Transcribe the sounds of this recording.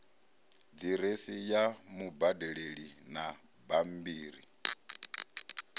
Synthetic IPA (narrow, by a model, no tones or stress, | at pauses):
d͡ziɾesijamubadɛɺeɺina | bambiːɾi